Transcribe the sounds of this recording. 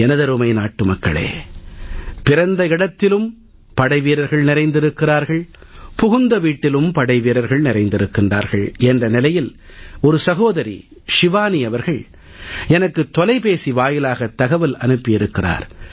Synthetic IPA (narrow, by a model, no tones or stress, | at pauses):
ɛnɐðɐɾɯmɐɪnaːʈːɯmɐkːɐ̰ɭḛː | pɪɾɐnd̪ɐɪɽɐt̪ːɪlɯm | pɐɽɐɪʋiːɾɐɾɣɐɭnɪɾɐɪnd̪ɪɾɯkːɪraːɾɣɐɭ | pʊɣʊnd̪ɐʋiːʈːɪlɯmpɐɽɐɪʋiːɾɐɾɣɐɭnɪɾɐɪnd̪ɪɾɯkːɪndra̰ːɾɣɐɭɛndrɐnɪlɐjɪlɔɾɯsɐɣoːðɐɾḭ | ʂɪʋaːniɐʋɐɾɣɐɭ | ɛnɐkːɯt̪ːɔlɐɪpeːsiʋaːjɪlaːɣɐt̪ːɐɣɐʋɪlɐnɯpːɪjɪɾɯkːɪra̰ːɾ